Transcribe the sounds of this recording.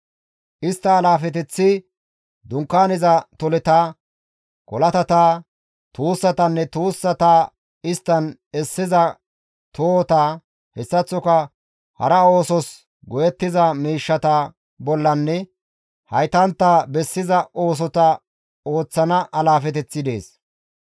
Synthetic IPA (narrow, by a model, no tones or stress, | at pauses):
ʔɪst̪ːɐːlaːfɛt̪̬ɛt͡sːɪ | d̪ʊŋkːaːnɪzɐt̪ɔlɛt̪aː | kɔlɐt̪ɐt̪aː | t̪uːsːɐt̪ɐnːɛt̪uːsːɐt̪aː | ɪst̪ːɐn | ɛsːɪzɐ | t̪ʰoːt̪aː | hɛsːɐt͡sːɔkɐ | hɐ̰ɾɐo̞ːsɔs | ɡɔjɛt̪ːɪzɐmiːʃːɐt̪a | bɔlːɐnːɛ | hɐjt̪ɐnt̪ːaːbɛsːɪzɐo̞ːs̬ɔt̪ɐ | o̞ːt͡sːɐnɐʔɐlaːfɛt̪ɛt͡sːɪd̪e̞ːs